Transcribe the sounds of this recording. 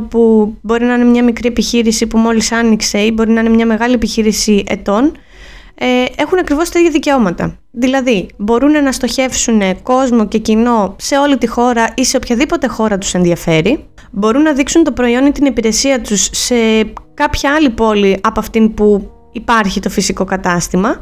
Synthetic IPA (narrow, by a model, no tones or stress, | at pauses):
pubo̞ɾinɐine̞mɲɐmikɾie̞piçiɾisipumo̞lisɐnikse̞ibo̞ɾinɐine̞mɲɐme̞ɣɐlie̞piçiɾisiʔe̞̰t̪o̞n | e̞xunɐkɾivo̞st̪eðʝɐðice̞o̞mɐt̪ɐ̰ | ðilɐðibo̞ɾunenɐst̪o̞çe̞fsune̞ko̞zmo̞ce̞cino̞se̞o̞lit̪ixo̞ɾɐʔise̞opçɐðipo̞t̪e̞xo̞ɾɐt̪u̥se̞nðiɐfe̞ɾi | bo̞ɾunːɐðiksunt̪o̞pɾo̞io̞nit̪inipiɾe̞siɐt̪usːe̞kɐpçɐɐlipo̞liʔɐpoɐft̪inpu | ipɐɾçit̪o̞fisiko̞kɐt̪ɐst̪imɐ